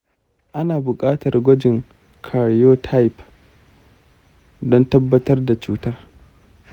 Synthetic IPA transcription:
ʔa˦naː˨bʊ˨kʼaː˦tɐ˨rɡʷɔ˦d͡ʒɪ˨ŋ | kʰa˨ɽjoː˦tʰa˦jp | dɔ˦ntɐ˦bːɐ˦tɐ˦rda˨t͡ʃuː˦taː˦

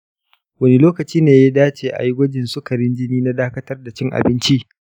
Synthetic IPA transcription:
wɐ˦ne˦loː˦kɐ˨t͡ʃiː˦neː˨ja˦daː˦t͡ʃeː˨ʔa̰˨ji˦ɡʷɐ˦d͡ʒɪ˨nsʊ˦kɐ˨ɾɪ˦nd͡ʒɪ˦niː˦na˦daː˦kɐ˦tɐ˦rda˨t͡ʃɪ˦ŋʔa̰˨bɪ˦nt͡ʃi˦

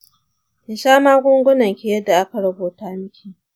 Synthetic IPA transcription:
je˨ʃaː˦maː˦ɡʷʊ˦ŋɡʷʊ˦nɐ˨ŋkʲi˦jɐ˦dːa˨ʔa˦ka˨ɽɐ˦boː˨taː˦mɪ˦kʲiː˨ʔ

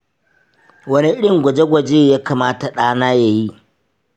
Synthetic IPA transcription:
wɐ˦ni˦ɗɪ˦˨ŋɡʷɐ˨d͡ʒe˦ɡʷɐ˨d͡ʒeː˦jaː˦kaː˨maː˦ta˨ɗaː˦naː˦ja˨ji˦ʔ

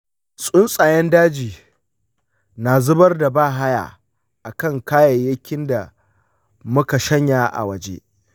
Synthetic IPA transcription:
sʼʊ˦nsʼaː˨jɛ˦ndaː˦d͡ʒiː˨ | naː˨zʊ˦bɐ˦rda˨baː˦˨ɦa˦ja̰ː˨ | ʔa˨kɐ˦˨ŋkaː˦jɐ˨jːɐ˦kʲɪ˦nda˨ | mʊ˦ka˨ʃɐ˦ɲjaː˨ʔa̰˨wɐ˨d͡ʒḛː˦

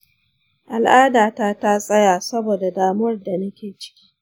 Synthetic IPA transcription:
ʔa˨lʔaː˦daː˨taː˦ta˦sʼɐ˦jaː˨sɐ˦boː˨da˨daː˨mʊ˦wɐ˦rda˨nɐ˦kʲeː˨t͡ʃɪ̥˦kʲi̥ː˦

